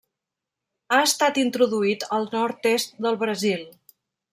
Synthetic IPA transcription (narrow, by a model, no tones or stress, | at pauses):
aəst̪at̪int̪ɾuðuit̪əlˠnɔɾt̪est̪̚d̪əlˠβɾəzilˠ